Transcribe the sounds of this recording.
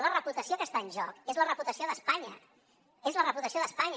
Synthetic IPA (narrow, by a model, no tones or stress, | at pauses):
lərəput̪əsiokəst̪aənʲʒɔkezlərəput̪əsioðəspaɲə | ezlərəput̪əsioðəspaɲ